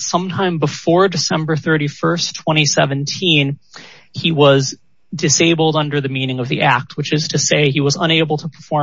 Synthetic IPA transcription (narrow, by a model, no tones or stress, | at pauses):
sʌ̃mtʰãɪ̃mbəfɔɹdɨsɛ̃mbə˞θɜ˞ɾifɜ˞stʰw̥ɛ̃ɾ̃isɛvɨ̃n̩tʰĩn | iwʌz | dɨseɪbl̩ˠdʌ̃ndə˞ðɨmĩñɪ̃ŋʌvðiʔæk̚t̚wɨt͡ʃɨz̥tʰɨseɪiwʌzə̰̃ñeɪbl̩ˠtʰəpʰə̥˞fɔ